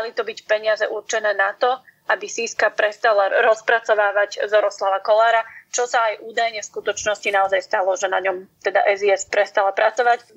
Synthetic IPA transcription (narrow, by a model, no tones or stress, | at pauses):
alit̪ɔbicpɛɲɪazɛ̰ʔuɾt͡ʃɛnɛːnat̪ɔabisiːskapɾɛst̪alaɾɔspɾat͡sɔʋaːʋaɟzɔɾɔslaʋakɔlaːɾat͡ʃɔsaːjʔuːd̪ajɲɛfskut̪ɔt͡ʃnɔscinaɔzajst̪alɔʒɛna̰ɲɔmt̪ɛd̪a̰ʔɛziɛspɾɛst̪alapɾat͡sɔʋac